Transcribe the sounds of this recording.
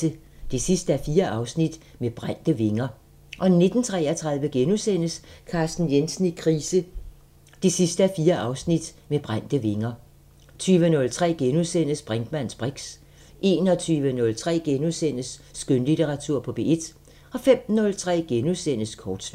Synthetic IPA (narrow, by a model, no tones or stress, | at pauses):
ə | d̥esisd̥əæɐfiːɐʔɑ̈ʊsnid̥meb̥ʁan̰d̥əʋe̝ŋɐ | ʔɒ̽ne̝d̥n̩t͡sʰʁɛ̰ːɐt͡sʰʁɑ̈ðˠʋəɡ̥enusen̰əskʰɑ̈ːsd̥n̩jensn̩ikʰʁiːsə | d̥e̝sisd̥əæɐfiːɐʔɑ̈ʊsnid̥meb̥ʁan̰d̥əʋe̝ŋɐ | t͡sʰyːʋənɔ̽lt͡sʰʁɛ̰ːɡ̥enuðˠsen̰əsb̥ʁaŋd̥mæn̰sb̥ʁeɡ̥s | ʔe̝ːnɒ̽t͡sʰyːʋənɔ̽lt͡sʰʁɛ̰ːɡ̥enusen̰əsːɡ̥ønlit͡sʰeʁɑ̈t͡sʰuɐ̰pʰɒ̽b̥e̝e̝d̥ | ɒ̽fem̰nɔ̽lt͡sʰʁɛ̰ːɡ̥enusen̰əskʰɒːd̥sl